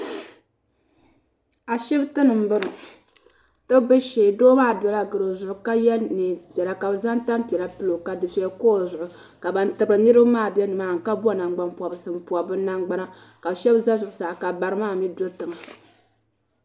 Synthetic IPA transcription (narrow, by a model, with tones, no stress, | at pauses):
a˨ʃɛ˦btɨ˦nɨ˨m̩˦bɨ˦ɾɨ˨ | tɨ˦bɨ˦ʃeː˨doː˦maː˦˨dɔ˨la˦ɡɨ˨ɾo˨zʊ˨ʔʊ˨ka˦jɛ˦nɨ˨pjɛ˨la˨ka˨bza˦nta˦mpɛ˨la˨pɨ˦lo˨ka˨dɨ˨sɛ˨jɛ˦ko˦˨zʊ˨ʔʊ˨ | ka˨ba˨n˦tɨ˨bɾɨ˨nɨ˦ɾɨ˦bmaː˦˨bjɛ˦nɨ˨maː˨ŋ̩˨ka˦bna˨ŋɡ͡ba˨mpu˨a˨bɨ˨sɨ˨m˨pu˨a˨bɨ˦na˦ŋɡ͡ba˦na˦ | ka˨bʃɛ˦bza˦zʊ˨ʔʊ˨sa˨ka˨ba˨ɾɨ˦maː˦˨mi˦do˦tɨ˨ŋa˨